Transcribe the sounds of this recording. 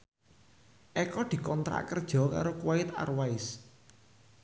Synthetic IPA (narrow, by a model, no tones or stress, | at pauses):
ʔɛkɔd̪̥i̤kɔnt̪ɾa̰ʔkərd̥ʒ̥ɔ̤ka̰ɾokwaɪt̪a̰rwaɪs